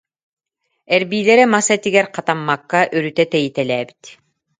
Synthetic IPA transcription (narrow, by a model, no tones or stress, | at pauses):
ɛɾbiːlɛɾɛmasat̪iɡɛɾqat̪amːakːaʔyɾyt̪ɛt̪ɛjit̪ɛlɛːbi̥t̪